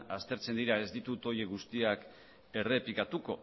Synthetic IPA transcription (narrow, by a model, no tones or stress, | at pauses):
ast̪e̞ɾt͡se̞nd̪iɾae̞zd̪it̪ut̪o̞je̞ɣust̪iak | e̞re̞pikat̪uko̞̰